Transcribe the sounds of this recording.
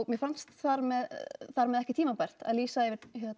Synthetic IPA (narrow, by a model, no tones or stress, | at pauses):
ɣmjɛfanst̪θaɾmɛðθaɾmɛðɛhcɪt̪ʰiːmapɛr̥t̪a̰ðliːsaɛvɪçɛ